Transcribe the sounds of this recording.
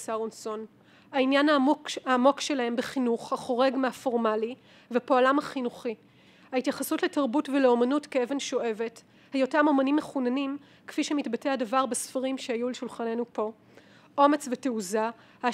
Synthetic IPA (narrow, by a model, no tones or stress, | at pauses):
saʁonso̞n | hainjanaːmo̞kʃe̞laɦe̞mbeχinuχhaχo̞ʁe̞ɡmeafo̞ʁmali | veapoalamhaχinuχi | haitjaχasutletaʁbutveleo̞manutkeeve̞nʃo̞ʔe̞ve̞t | hajotamo̞manimːeχunanim | kfiʃemitbateadavaʁbesfaʁimʃehajuleʃulχane̞nupo̞ | ʔomet͡sveteuza | ha